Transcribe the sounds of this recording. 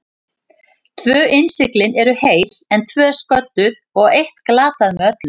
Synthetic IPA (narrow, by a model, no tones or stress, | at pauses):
t̪ʰvœːʔɪnsɪklɪnɛɾʏheːjlɛnt̪ʰvœːskœt̪ːʏð | ɔɣejht̪klaːt̪aðmɛœt̪lʏ